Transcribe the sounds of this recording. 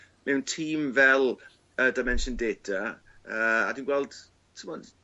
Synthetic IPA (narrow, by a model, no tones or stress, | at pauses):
mɛwntʰiːmvɛlˠ | ədajmɛnʃəndeːtʰa | əːadiːnɡwɛlˠd̥ | tʰəmɔd